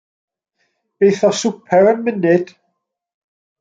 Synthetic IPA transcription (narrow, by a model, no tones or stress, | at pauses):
b̥ejθɔsupʰɛɾənmɪnɪd̥